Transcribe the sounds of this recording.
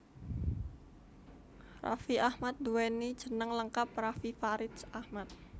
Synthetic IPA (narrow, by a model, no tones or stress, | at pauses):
ra̰fiʔahmat̪̚d̪uwenid̥ʒ̥ə̤nəŋləŋkap̚rafifaɾɪsahmat̪̚